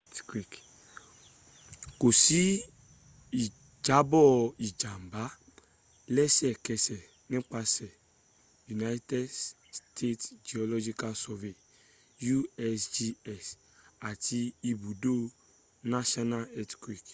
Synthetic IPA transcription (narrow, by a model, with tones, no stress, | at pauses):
tkɾi˨k | ko˨si˦ | i˨ | d͡ʒa˨˦bɔ˦i˨d͡ʒa˨m˨ba˦ | lɛ˦sɛ˨kɛ˨sɛ˨ | ni˦k͡pa˨sɛ˨ | ju˨na˦jtɛ˦d | stʰe˦td͡ʒi˨ɔ˨lɔ˦d͡ʒi˦ka˦lsɔ˨ve˨ | ju˦ɛ˦sd͡ʒi˦ɛ˨s | a˨tʰi˦i˨bu˨do˦ | na˦ʃɔ˦na˦lɛ˦tkɾi˨k